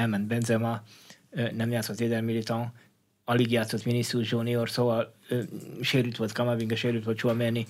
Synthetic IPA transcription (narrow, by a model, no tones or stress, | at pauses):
ɛlmɛnd̪bɛnzɛmɑ | nɛmjaːt̪sot̪ʋeːd̪ɛlmilit̪ɑ̃ | ɒliɡjaːt̪sot̪minisːuʒoniorsoɑ | ʃeːɾylt̪ʋolt̪kɑmaviŋɡɛʃeːɾyt̪ʋolʃuɒmeni